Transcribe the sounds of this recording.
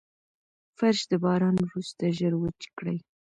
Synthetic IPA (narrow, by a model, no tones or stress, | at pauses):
faɾʃd̪əbɑɾɑnwɾust̪aʒəɾwət͡ʃkɽəj